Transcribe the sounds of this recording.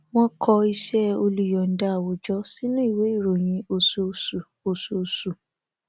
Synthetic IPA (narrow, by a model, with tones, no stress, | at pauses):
w̃ɔ̃˦kʰɔ˧i˧ʃɛ˦o˧lu˨jɔ˨n̩˨da˦˨wo˨˦d͡ʒɔ˦si˦nũ˦i˦˨we˨˦i˦˨ɾo˨j̃ĩ˧o˧su˧su˨ | o˧su˨˧su˨